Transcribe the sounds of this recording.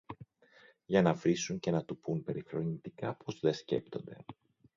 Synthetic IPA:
ʝɐnɐvɾisuɲce̞nɐt̪upumpe̞ɾifɾo̞nit̪ikɐpo̞zðe̞sce̞̰pt̪o̞nd̪e̞

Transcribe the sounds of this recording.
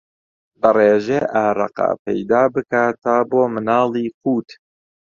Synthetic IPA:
lɐreːʒeʔaːɾɑ̰qa̰pʰɛ̰jd̪aːbɨkaːt̪aːboːmɨnɑːlˠiːquːt̪

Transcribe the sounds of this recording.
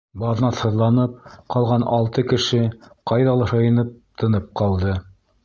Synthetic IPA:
bɑðnɑθhɤ̆ðlˠɑnɤp̚qɑlˠʁɑnɑ̰lˠt̪ɤkɘ̆ʃɘqɑjðɑlˠɑʃɤjɤ̆nɤp̚t̪ʰɤ̆nɤp̚qɑlˠd̪ɤ

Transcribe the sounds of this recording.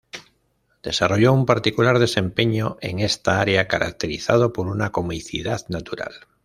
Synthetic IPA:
d̪̥e̞saro̞ʝo̞umpaɾt̪ikulaɾð̞e̞sẽ̞mpe̞ɲoʔe̞̰ŋe̞st̪aaɾeakaɾʔa̰k̚t̪e̞ɾiθað̞o̞poɾunako̞miθḭðaðnat̪uɾa̰l

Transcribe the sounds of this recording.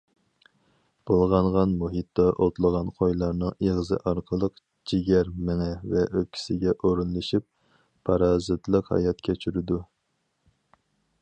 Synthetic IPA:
b̥olˠʁɑɴʁɑnmuɦɨt̪ːɑʔot̪lˠəʁɑnqʰojlˠɑɾnɨŋeʁzɨ̰ʔɑɾqʰəlˠəq | d͡ʒʰiɡʲɛɾmɪŋɛvɛʔøp̚kʲʰi̥sɪɡʲɛʔoɾunlˠɨʃip̚ | pʰːɑɾɑːzɨt̪lˠəqhɑ̰jɑt̪̚kʲʰæt͡ʃʰyɾɪd̪u

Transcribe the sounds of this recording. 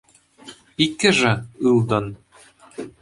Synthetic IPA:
ikːɘʐɘ̆ɯlˠd̪ɤ̆n

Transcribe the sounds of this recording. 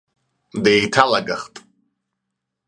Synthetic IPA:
dejtʰalaɡa̰χtʼ

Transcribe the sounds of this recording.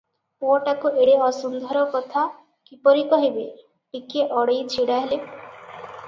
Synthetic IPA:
oʈakuʔeɽeɔsund̪ʱɔɾɔkɔt̪ʰa | kipɔɾikɔɦibe | ʈikeʔɔɽejt͡ʃʰiɽaɦele

